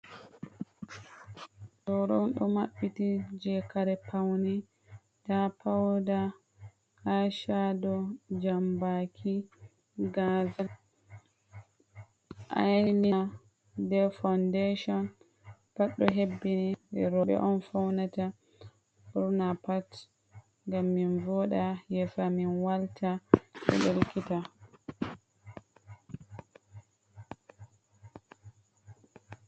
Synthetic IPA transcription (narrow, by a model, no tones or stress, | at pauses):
ɗɔɾɔwɗɔmaɓːitid͡ʒɛkaɾɛpʰawni | dapawda | haʃadɔd͡ʒambakʰi | ɡaza | ʔa̰nia | dɛfawndeʃɔn | paɗːɔɦebːiniɛ̰ɾɔɓɛ̰ʔɔnfawnata | uɾnapat | ŋɡamːinvɔɗajɛfaminwaltʰaɛ̰ɗelkita